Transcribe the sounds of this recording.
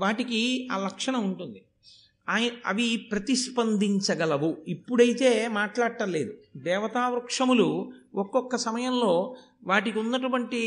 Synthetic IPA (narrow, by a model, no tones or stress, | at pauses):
ʋaːʈikiaːlɐkʂɐɳɐuɳʈund̪i | aːjɐ̰ʋipɾɐt̪iʃpɐnd̪iɲt͡ʃɐɡɐlɐʋuipːuɽɐjit̪e̞ːmaːʈlaːɽʈɐle̞ːd̪ud̪ɛːʋɐt̪aːʋɾukʂɐmuluɔkːɔkːɐsɐmɐjɐmlo̞ː | ʋaːʈikiunːɐʈ̬ɐʋɐɳʈi